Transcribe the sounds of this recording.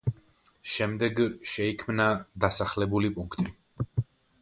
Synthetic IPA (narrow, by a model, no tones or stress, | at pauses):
ʃɛmd̪ɛɡʃɛikʰmnad̪asaχlɛbulipʼuŋkʰt̪ʼi